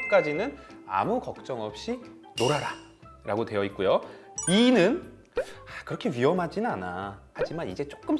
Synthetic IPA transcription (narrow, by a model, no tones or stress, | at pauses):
k͈ad͡ʑinɯna̰mukʌk̚t͡ɕ͈ʌŋʌp̚ɕ͈i | noɾaɾa | ɾaɡotwe̞jʌit̚k͈ujo | inɯn | akɯɾʌkʰe̞ɥiʌmɦad͡ʑinɯnanahad͡ʑimanid͡ʑe̞t͡ɕ͈ok͈ɯm